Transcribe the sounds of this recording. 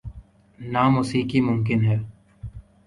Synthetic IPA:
naːmʊsiːkimʊmk̬ɪnɦɛː

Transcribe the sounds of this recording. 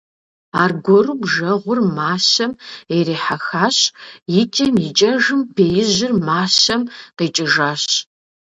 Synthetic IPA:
aːrɡʷɔrubʒɐʁʷʊrmaːɕɐmeɾiːħaxaːɕjɪtʰʼemit͡ʃʼɐʒɨmbeːjɪʑɪrmaːɕɐmqiːt͡ʃʼɪʒaːɕ

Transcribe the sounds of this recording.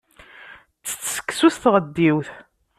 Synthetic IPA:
t͡sːə̥t͡sːsə̥kːsusθʁəd̪ːiwθ

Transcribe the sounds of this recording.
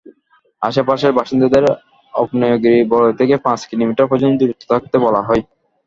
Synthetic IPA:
a̰ʃapaʃeɾbaʃind̪ad̪eɾ | ɔ̰pnɔjoɡɾibɔt̪ʰekepãt͡ɕkilomiʈaɾpɔd͡ʑond̪uɾot̪ʰːo̥t̪ʰakt̪ebɔlaɦɔj

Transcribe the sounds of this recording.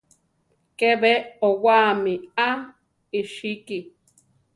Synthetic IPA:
keβeowamia | iʃiki

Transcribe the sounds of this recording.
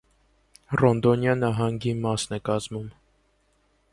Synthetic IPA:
rɔnd̪ɔnjɑnɑɦɑŋɡimɑsnɛkɑzmum

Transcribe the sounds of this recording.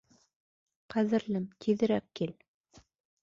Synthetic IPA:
qæðɘ̆ɾlɘmt̪ʰiðɘ̆ɾæp̚kil

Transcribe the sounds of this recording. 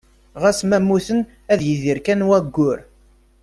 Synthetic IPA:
ʁæsmæmːuθən | æðjiðiɾkænwæɡːʊɾ

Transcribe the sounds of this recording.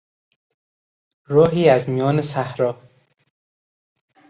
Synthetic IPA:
ɾɒːɦiːæzmijɒːnesæhɾɒː

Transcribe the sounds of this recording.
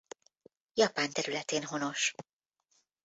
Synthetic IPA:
jɒpaːnt̪ɛɾylɛt̪eːnɦo̞no̞ʃ

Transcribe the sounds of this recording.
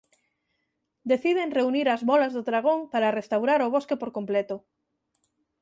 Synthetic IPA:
d̪eθið̞eŋreuniɾazβɔlazðoðɾaɣoŋpaɾarest̪awɾaɾʊβ̞oskepoɾkomplɛt̪ʊ

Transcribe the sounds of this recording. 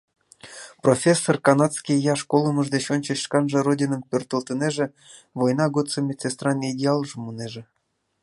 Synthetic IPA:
profʲesːorkɑnɑt̪t͡skʲijjɑʂkolˠəməʐd̪et͡ɕonʲt͡ɕə̆ɕʃkɑnʒɤ̆rodʲinəmpʲørt̪əlˠt̪ə̆neʒĕ | vojnɑɡot͡səmʲet͡sest̪rɑnidʲeɑlˠʒə̆muneʒĕ

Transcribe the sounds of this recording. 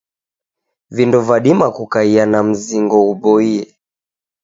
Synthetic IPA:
vindɔvaɗimakukaianam̩ziŋɡɔuɓɔiɛ

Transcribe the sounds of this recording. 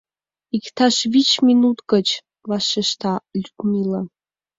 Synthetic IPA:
ikt̪ɑʃvit͡ɕminut̪ɡət͡ɕ | vɑʃeʃt̪ɑlʲykmilə

